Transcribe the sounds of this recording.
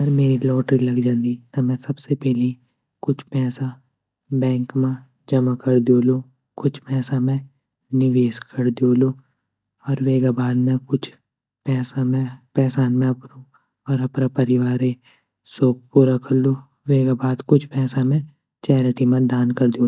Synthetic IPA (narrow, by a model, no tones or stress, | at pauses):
ɐɾmeːɾilɔːʈɾilɐɡd͡ʒãnd̪inɐmɛ̃sɐbsepɛɦle | kʊt͡ʃʰpɛːsa | bɛ̃ːŋkmẽ | d͡ʒɐmakɐɾd̪joːloː | kʊt͡ʃʰpɛːsamẽ | nɪʋeːskɐɾd̪oːlo | ɔːɾʋeːɡabaːd̪mɛ̃kʊt͡ʃʰ | pɛːsamẽpɛːsaːnmẽɐpɾõ | ɔːɾɐpnapɐɾɪʋaːɾe | soːp̚puːɾakɐɾlo | ʋeːɡabaːd̪kʊt͡ʃʰpɛːsamẽ | t͡ʃɛːɾɪʈimẽd̪aːnkɐɾd̪iõː